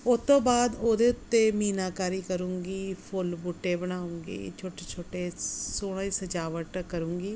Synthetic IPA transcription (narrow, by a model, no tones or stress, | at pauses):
ʊt̪õːbaːd̪oːd̪eːʊt̪ːemiːnaːkaːɾiːkəɾũːŋɡiːpʰʊlbuʈːeːbəɽ̃aːũːŋɡḛːt͡ʃʰoːʈeːt͡ʃʰoːʈeːsoːɽ̃ãiːsəd͡ʒaːʋəʈkəɾũːŋɡiː